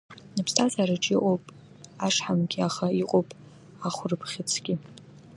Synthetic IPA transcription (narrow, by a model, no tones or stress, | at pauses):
nɨpʰstʰazaɾɨʈ͡ʂʼiʔʼopʼ | aʂħamɡʲiaχaiqʼopʼ | aχʷʊrɨpʰχʲɪt͡sʰɡʲi